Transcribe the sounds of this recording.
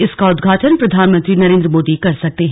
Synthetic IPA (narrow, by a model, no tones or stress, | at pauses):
ɪskaʊd̪ɡʱaːʈʰənpɾɐd̪ʱaːnmə̃nt̪ɾinɐɾẽːnd̪ɾəmoːd̪ikɐɾsɐk̚t̪eɦ